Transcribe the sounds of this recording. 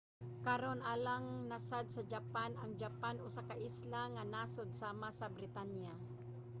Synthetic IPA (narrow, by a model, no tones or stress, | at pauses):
kaɾonʔalaŋnasad̪̚sad͡ʒapanaŋd͡ʒapanʊsakaʔɪslaŋanasod̪̚saːmasabɾɪt̪anja